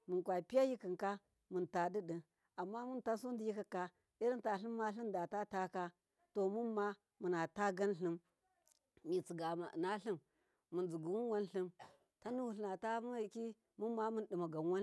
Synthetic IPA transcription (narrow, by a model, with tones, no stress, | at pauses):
mu˨nkʷa˨pi˦ja˦ji˦kə˨ŋka˦ | mɨ˨nta˨di˦ɗi˨ | a˨mːa˦mu˦nta˦so˦n˦di˨ji˦ka˨ka˦ | i˦ɾi˦ta˨ɬi˦mː˦a˦ɬi˦mda˨ta˦ta˦ka˦ | to˨mu˦mːa˦ | mu˨na˨ta˦ɡa˦nɬɨ˦m | mi˨t͡si˨ɡa˨ma˨na˦ɬɨ˦mː | u˨nd͡zu˨ɡu˨wu˦n˦wa˦nɬɨ˦m | ta˦nu˦wu˨ɬɨ˨na˨ta˦m˦˨ki˦ | mu˦mːa˦mu˦ndɨ˨ma˨ɡa˨n˦wa˦n